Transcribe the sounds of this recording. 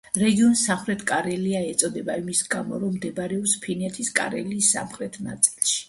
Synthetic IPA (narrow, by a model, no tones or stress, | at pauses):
ɾɛɡiɔnsaχɾɛt̪ʰkʼaɾɛliaɛt̪sʼɔd̪ɛbaimisɡamɔ̰ɾɔmːd̪ɛbɾɛɔpspʰinɛt̪ʰiskʼa̰ɾɛ̰liːsːa̰mχɾɛt̪ʰna̰t̪sʼilˠʃi̥